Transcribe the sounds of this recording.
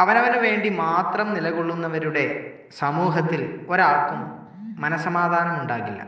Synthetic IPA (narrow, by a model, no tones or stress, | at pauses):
ɐʋɐnɐʋɐnʋe̞ːɳɖimaːt̪rɐmnilɐɣoɭːunːɐʋɐɾuɽe̞ | sɐmuːɦɐt̪ːilo̞ɾaːrkumː | ɐnɐsɐmaːd̪ʱaːnɐmuɳɖaːɣilːɐ̰